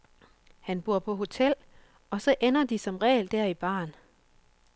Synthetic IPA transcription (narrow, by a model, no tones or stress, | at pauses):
hænb̥uɐ̰pʰɒ̽ɦo̝t͡sʰel̰ | ɒ̽sɒ̽ʔenɐd̥isɒ̽mʁɛ̰ːɪld̥æɐ̰ib̥ɑ̰̈ːn